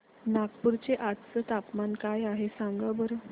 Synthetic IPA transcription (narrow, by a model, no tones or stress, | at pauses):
nakpuɾt͡ɕeʔat̪t͡sət̪apmankajaɦesãŋɡəbəɾ